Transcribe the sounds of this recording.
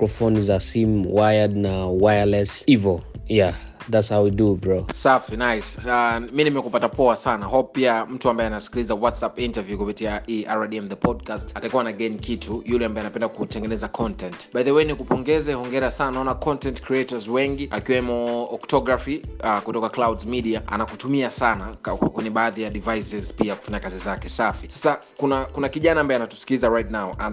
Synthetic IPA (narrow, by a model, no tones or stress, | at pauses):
kɹɔfɔnzasimwajəd̚nawajəlɛsivɔja | ðatshawwidubɹɔsafinajsaminimɛkupatapɔasanahɔp̚piam̩tuambaɛanasi̥kilizawatsapintavjukupitiaʔiaɾadiɛmðəpʰɔd̚kastatakuwanaɡɛnikitʰujulɛambaɛanapɛndakutɛŋɡɛnɛzakʰɔntɛntɓaðɛwɛnikupɔŋɡɛzɛhɔŋɡɛɾasananaɔnakɔntɛntkɾiɛtazwɛŋɡiakiwɛmɔɔktɔɡɾafiakutɔkaklawdzmiɗiaa̰nakutumiasanakwɛɲɛɓaːðijaɗivajsɛzpiaku̥faɲakazizakɛsafisḁsakunakunakiʄanaːmbaɛanatu̥si̥kilizaɹajtnaɔa